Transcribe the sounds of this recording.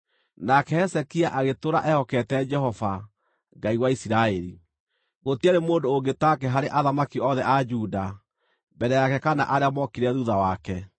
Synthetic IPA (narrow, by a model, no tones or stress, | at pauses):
nakɛhɛsɛkiaʔaɣetoɾaʔɛhɔkɛtɛd͡ʒɛhɔva | ŋɡaiɣwaisiɾaeɾi | ɣotiaɾemoːndoːŋɡetakɛɦaɾeʔaðamakiɔðɛʔad͡ʒuːda | bɛɾɛjakɛkana̰ʔaɾeamɔkiɾɛðuðawakɛ